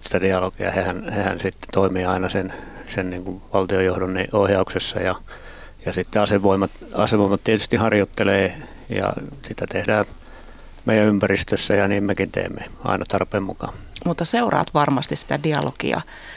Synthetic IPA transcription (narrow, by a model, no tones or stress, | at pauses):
si̥t̪ædiɑlokiɑ̰hehænhehæ̰nsit̪ːt̪oimiːɑinɑsensenniːŋkuʋʋɑlt̪iojohdonniohjɑuksesːɑ̰jɑ | jɑsit̪ːeɑseʋoimɑt̪ɑ̰seʋoimɑt̪t̪iet̪y̥st̪ihɑrjot̪ːeleː | jɑ̰sit̪æt̪ehdæː | meijæympærist̪øsːæjɑniːmmekint̪ḛːmːḛɑ̰inʔɑt̪ɑrpeːmmukɑ̰mut̪ːɑseurɑ̰ːt̪ʋɑrmɑst̪issi̥t̪ædiɑ̰lo̰kḭɑ̰